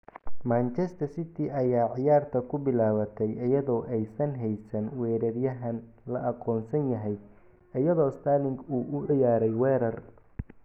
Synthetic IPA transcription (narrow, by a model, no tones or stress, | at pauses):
maːnt͡ʃɛst̪ʰɐrsɪt̪ʰɪɐjaːʕɪjaːrt̪ʰɐkʰʊbɪlaːβɐt̪ʰɛjʔɐjɐðɔːʔɛjsɐnɦɛjsɐnwɛːɾɐrjɐɦɐn | lɐʔɑqɔːnsɐnjɐɦɛj | ɐjɐðɔːst̪ʰaːlɪŋɡuːʔʊʕɪjaːɾɛjwɛːɾɐr